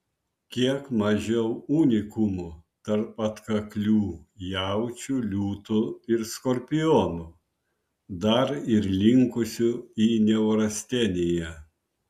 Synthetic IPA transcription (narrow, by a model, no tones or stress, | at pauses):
kʲiɛkmɐʒʲɛʊuːnʲɪkʊmʊt̪ɐɾpɐt̪kɐklʲuːjæˑʊt͡ʃʲulʲuːt̪ʊɪɾskɔɾʲpʲɪjɔːnu | d̪ɐɾɪɾlʲɪŋkʊsʲʊiːnʲɛʊɾɐsʲt̪ʲɛnʲejɛ